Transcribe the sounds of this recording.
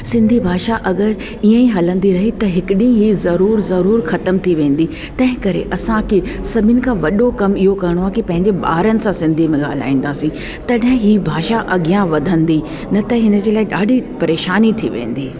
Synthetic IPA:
sɪ̃nd̪ʱibʱaːʃaʔɐɡəɾ | iə̃ĩɦɐlə̃nd̪iɾɐɦit̪ɐɦɪkɪɗĩɦizɐɾuːɾzɐɾuːɾxɐt̪əmt̪ʰiʋẽːn̆d̪i | t̪ɐ̃ɦɪ̃kɐɾḛʔɐsãkisɐbʱɪnɪ̆kʰãʋɐɗokɐmɪɦokɐɾɪɽ̃oaːkipɐ̃ɦɪ̃ɲd͡ʑeɓa̰ːɾənɪ̆sãsɪ̃nd̪ʱimẽɠa̰ːl̤a̰ːĩːn̆d̪aːsĩ | t̪ɐɗɦɪ̃ɦibʱaːʃaʔɐɠijãʋɐd̪ʱə̃nd̪i | nɐt̪ɐɦɪnə̆d͡ʑeːlaːɪɗaːɖʱipɐɾeːʃaːnit̪ʰḭʋḛ̃ːn̆d̪iː

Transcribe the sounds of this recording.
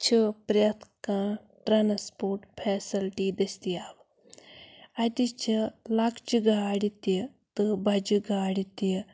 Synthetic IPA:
t͡ʃʰipɾjɐt̪ʰkãː | ʈɾaːnspoːɾʈpʰɛːsɐlʈiːd̪ɐst̪iaːb | ɐt̪it͡ʃʰilakʰd͡ʒɨɡaɽit̪it̪ɨbɐd͡ʒiɡaːɽit̪i

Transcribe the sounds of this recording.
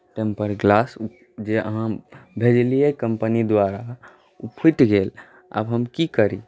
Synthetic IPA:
ʈẽmpəɾɡlas | d͡ʒeə̰ɦãbʱed͡ʒliekəmpənid̪waɾa | upʰiʈɡel | a̰bɦəmkikəɾḭ

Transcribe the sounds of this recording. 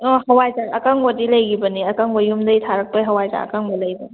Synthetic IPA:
ɔhɐwajzaʔɐkaŋbɔdilɐjɡibɐniɐkaŋbɔjumdɐjtʰaɾɐk̚pɐjɦɐwajza̰ɐ̰kaŋbɐlɐjbɐ

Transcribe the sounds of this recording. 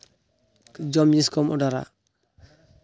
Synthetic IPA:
d͡ʒɔmjiskɔmɔdaɾa̰

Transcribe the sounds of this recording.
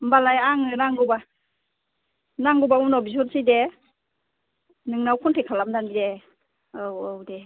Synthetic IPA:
mbalajaŋɯnaŋɡɔba | naŋɡubaunɔbizɔnsijde | nɯŋnawkʰɔntʰekʰalamdanide | owowde

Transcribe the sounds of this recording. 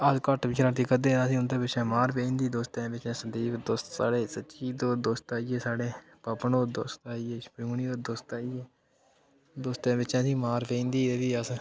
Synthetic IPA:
əskəʈʋiːt͡ʃɾãːt̪iːkəd̪eːnãːsĩːʊnt̪eːbɪt͡ʃãːmaːɾpẽĩːnd̪iːd̪oːst̪ẽːbɪt͡ʃãːsənd̪iːd̪oːst̪ːa̰ːɽeːsətːʃiːd̪oːd̪oːst̪aːijeːsaːɽeː | pəpnoːd̪o̰ːst̪aːieːspɾuːniːoːd̪oːst̪aːieː | d̪oːst̪ẽːbɪt͡ʃãːsĩːmaːɾpẽːĩːnd̪iːeːʋiːəs

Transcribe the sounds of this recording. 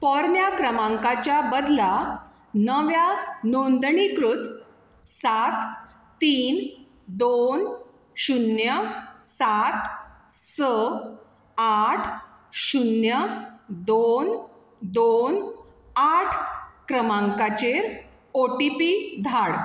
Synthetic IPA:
pɔɾnjakɾəmãŋkat͡ɕjabəd̪la | nəʋjanond̪ɳikɾut̪ | sat̪ː | iːn | d̪on | ɕunjəsat̪sə | aʈʰ | ɕunjəd̪on | d̪on | aʈʰkɾəmãŋkat͡ɕeɾ | oʈipid̪ʱaɽ

